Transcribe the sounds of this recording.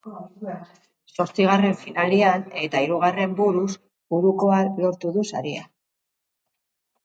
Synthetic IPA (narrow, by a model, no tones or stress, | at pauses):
so̞ɾt͡siɣ̞are̞ɱfinaliane̞t̪aiɾuɣare̞mbuɾus | buɾuko̞alo̞ɾt̪uðusaɾia